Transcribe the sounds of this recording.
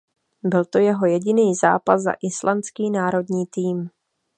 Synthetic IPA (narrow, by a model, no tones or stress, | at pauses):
bɪlt̪o̞jɛɦo̞jɛɟɪniːza̰ːpazzːa̰ʔɪslant͡skiːnaːɾo̞dɲiːt̪iːm